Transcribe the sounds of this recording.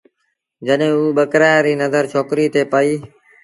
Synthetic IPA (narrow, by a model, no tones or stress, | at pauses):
d͡ʒəɗɦẽːuːɓəkɾaːjɾiːnəzəɾt͡ʃʰoːkɾiːt̪ʰeːpəiː